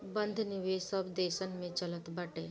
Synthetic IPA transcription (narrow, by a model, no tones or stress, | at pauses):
bə̃nd̪ʱnɪʋesəbd̪eːʃənmẽt͡ʃɐlət̪bɐʈeː